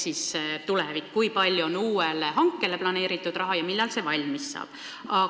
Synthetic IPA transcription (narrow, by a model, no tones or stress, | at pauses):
sist̪ulevikːkujpɑlʲjuonuːeleɦɑŋkːˑele̞plɑne̞ːɾit̪ːˑud̪̥rɑɦɑjɑmilːɑlse̞vɑlʲmisːɑ̰ːb̥ | ɑ